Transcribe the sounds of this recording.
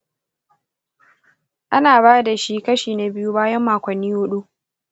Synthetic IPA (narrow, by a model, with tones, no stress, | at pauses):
ʔa˦naː˨baː˦da˨ʃi˦kɐ˦ʃiː˨na˨bɪ˦ju˦baː˦jɐ˦mːaː˨kʷɐ˨nːiː˦hʊ˦ɗu˦